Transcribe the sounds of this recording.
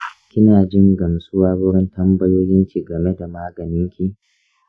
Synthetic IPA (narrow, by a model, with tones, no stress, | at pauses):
kʲɪ˦naː˨d͡ʒɪ˦ŋɡɐ˨msʼʊ˦waː˦bʊ˦ɽɪ˦ntɐ˦mbɐ˦joː˦jɪ˦ŋkʲi˨ɡɐ˨me˦da˨maː˦ɡɐ˨nɪ˦ŋkʲi˦